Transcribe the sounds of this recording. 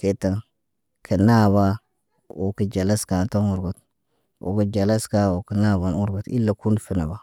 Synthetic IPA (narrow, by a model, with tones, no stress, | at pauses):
ke˨ta˨ŋ | kʰi˨na˦βa˦ | wo˨ki˨d͡ʒa˨la˦ska˨nto˦ŋu˨ɾɡo˨t | ʔo̰˨kə˦d͡ʒa˨la˦ska˦wo˨ki˨na˦βa˨nu˦ɾɡo˨tḭ˦lːa˨ku˦nfi˦na˨ba˨